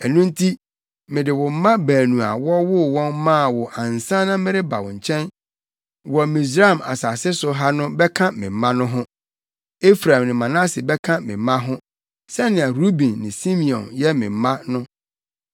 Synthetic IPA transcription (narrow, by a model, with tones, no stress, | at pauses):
ɛ˨nũ˦n̩˦tʰi˦ | mɪ̃˨dɪ˨wʊ˨m̩˦mã˦bæː˨nũ˨a̰˨wɔ˦wʊ˦wɔ̃˦nmã˦˨wʊ˨ʔã˨n˨sã˦nã˦mɪ̃˦ɾɪ˦ba˨wɔ̃˨ɲ̩˨t͡ɕʰɛ̃˦n | wɔ˨mĩ˨s̬ɾa˦˨ma̰˨sa˨sɪ˦sʊ˨˦ɦa˦nʊ̃˦bɛ˦kʰã˦mɪ̃˨m˨˦mã˦nʊ̃˦ɦʊ̃˦ | e˦fɾã˨nɪ̃˨mã˨nã˦sɪ˨bɛ˦kʰã˦mɪ̰̃˨m˦mã˦ɦʊ̃˦ | sɛ˦nɪ̃˨a˨ɾu˦bĩ˨nːɪ̃˨sĩ˦mĩ˨ɔ̰̃˨njɛ˦mɪ̰̃˨m̩˦mã˦nʊ̃˦